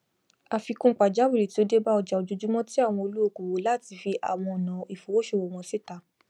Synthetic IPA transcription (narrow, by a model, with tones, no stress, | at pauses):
a˧fi˧kũ˦˨k͡pa˨d͡ʒa˨˦wi˦˨ɾi˨ti˦o˧de˦ba˦ɔ˧d͡ʒa˨o˧d͡ʒu˧d͡ʒu˦mɔ̃˦ti˦a˦˨w̃ɔ̃˧o˧lu˦o˦˨ku˨wo˨˦la˦˨ti˧fi˧ʔa̰˨w̃ɔ̃˧ɔ˨nã˨i˨fo˨wo˦ʃo˦˨wo˨w̃ɔ̃˧si˦˨ta˨˦